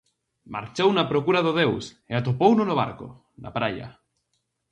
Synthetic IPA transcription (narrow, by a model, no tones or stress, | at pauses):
ma̰ɾt͡ʃownapɾokuɾaðoðews | eat̪opownonoβ̞a̰ɾko̰ | na̰pɾaʎa̰